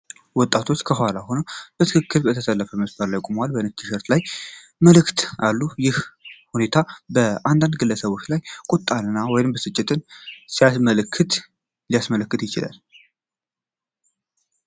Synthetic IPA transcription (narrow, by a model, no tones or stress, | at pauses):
wɔt̪ʼːat̪ʰo̞t͡ʃːkʰəɦalahonəwb̥ət̪ʰɨkʰɨkːɨɾbət̪ʰəsəlːəfəməsbaɾlajkʼumwalbəɨnɨt͡ʃʰɨʃəɾt̪laj | məlɨkt̪alːujɪhhune̞t̪ʰabəʔand̪and̪ɡɨlːəsəβo̞t͡ʃːlajkʼut̪ʼːanɨnːawɔjɪmbəsɨt͡ʃʼːɪt̪ʰɨnsijasməlkʰːɨt̪ | lijasmələkːɨt̪jɪt͡ʃɪla̰l